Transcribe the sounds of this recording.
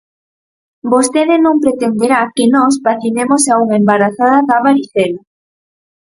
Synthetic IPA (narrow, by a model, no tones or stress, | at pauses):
bost̪eðɪnõŋpɾet̪end̪eɾakenɔs̬baθinemosauŋaembaɾaθaðaðaβaɾiθela